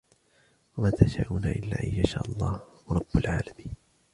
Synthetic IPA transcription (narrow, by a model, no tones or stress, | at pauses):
wamaːt̪ʰaʃa̰ːʔuːnaʔɪlːaːʔajjaʃaːʔɑlˤːɑːhɾˤɑbːalʕaːlamiːn